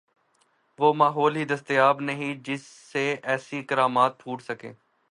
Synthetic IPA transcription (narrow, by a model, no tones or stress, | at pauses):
ʋoːmaːɦɔːlɦiːd̪əst̪ɪjaːbnəɦĩːd͡ʒɪsːeɛːsiɪkəɾaːmaːt̪̚pʰuːʈsəkḛː